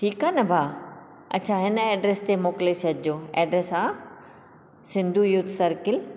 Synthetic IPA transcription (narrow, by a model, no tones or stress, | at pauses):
ʈʰiːkaːnɐbʱaː | ɐ̰tːt͡ɕʰaɦɪnɛːɖɾest̪emoːkɪlesʰɐd̪ʱɪd͡ʑoːɛ̰ːɖɾesaː | sɪ̃nd̪ʱujut̪ʰsɐɾkɪl